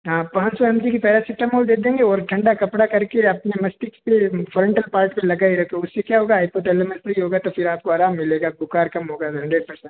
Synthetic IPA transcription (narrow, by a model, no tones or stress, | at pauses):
ɦãːpãːt͡ʃsɔɛmʈikipɛːɾasɪsʈəmoːld̪eːkd̪ẽːŋɡeɔːɾʈʰɐ̃ɳɖakɐpɽakɐɾkeɐpnemɐsʈɪkspefʰɔːɾɛ̃ɳʈəlpaːɾʈpẽlɐɡaːiɾɐkʰeʊsːekjaɦoːɡaːɪpoːʈelemɐ̃sɐiɦoːɡat̪ofʰɪɾaːp̚koaːɾaːmːɪleːɡabʊkaːɾkɐmɦoːɡaɦɐ̃ɳɖɾeːɖ̚pɐɾsɛ̃ɳʈ